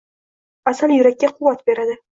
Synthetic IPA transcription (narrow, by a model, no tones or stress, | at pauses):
asanjʊɾakʲːaqʰʊwːat̪be̞ɾad̪ɪ